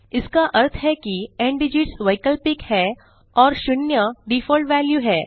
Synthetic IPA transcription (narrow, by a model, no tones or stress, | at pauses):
ɪskaʔɐɾt̪ʰɦɛkiẽɳɖɪd͡ʒɪʈsʋɐɪkəlpɪkhɛː | ɔːɾʃʊnjəɖifɔːlʈʋɛːljuɦɛː